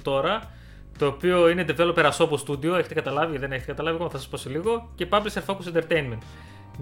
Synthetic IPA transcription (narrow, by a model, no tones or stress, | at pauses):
t̪o̞ɾɐ | t̪o̞ːpio̞ine̞d̪evelopeɾɐso̞post̪ud̪io̞e̞çet̪ekɐt̪ɐlɐviðe̞ne̞çet̪ekɐt̪ɐlɐvikomθɐsɐspo̞siliɣo̞ce̞pɐblisefokusent̪e̞ɾt̪ejnme̞nt̪